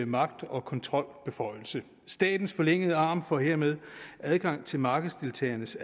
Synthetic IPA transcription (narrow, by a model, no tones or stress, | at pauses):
emɑ̈ɡ̥̚d̥ɒ̽kʰɒ̽nt͡sʰʁɒ̽l̰b̥e̝fɒ̽ɪ̰l̩sə | sd̥ɛ̰ːd̥n̩sfɒ̽leŋ̰əð̞ˠəɑ̈ːmfɒ̽he̝ɐ̰með̞ˠʔæðˠɡ̥ɑ̈ŋ̰t͡sʰe̝lmɑ̈ːɡ̥ð̩ˠsd̥e̝lt͡sʰɛ̰ːɐnəs